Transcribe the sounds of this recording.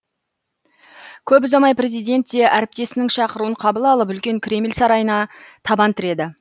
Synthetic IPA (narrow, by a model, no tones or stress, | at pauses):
kʲʰɵp̬ʊzɑmɑjpɾʲe̞zijd̪e̞nt̪ːe̞ʔæɾɪp̚t̪e̞sɪnɪŋʃɑqəɾuəɴqʰɑbəlˠɑlˠəp̬ʏlkʲe̞ŋkʲʰɾʲe̞mɪlʲsɑɾɑjənɑt̪ʰɑbɑnt̪ʰɪɾe̞d̪ɪ